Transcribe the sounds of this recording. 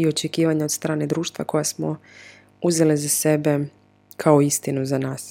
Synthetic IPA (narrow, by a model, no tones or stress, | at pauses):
io̞t͡ʃekiːʋaɲao̞d̪st̪ɾaːne̞d̪ɾuːʃt̪ʋa̰ko̞jasmo | uze̞lizase̞be | kʰaoist̪inuzanaːs